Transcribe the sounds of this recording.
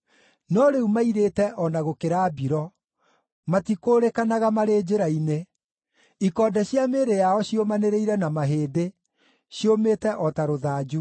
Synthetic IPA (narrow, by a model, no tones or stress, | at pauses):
nɔɾeumaiɾeːtɛʔɔnaɣokeɾaːbiɾɔ | matikoːɾekanaɣamaɾeːd͡ʑeɾaine | ikɔːdɛɕjameːɾejaɔɕjomaneɾeiɾɛnamaɦeːde | ɕjomeːtɛʔɔtaɾoðaːd͡ʒu